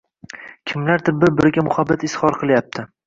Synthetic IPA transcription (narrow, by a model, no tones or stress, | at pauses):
kʲʰɪmlaɾd̪ɪɾ̚bɪɾbɪɾɪɡʲamʊhabːat̪ɪshɒɾqʰɨlˠjap̚t̪ʰɪ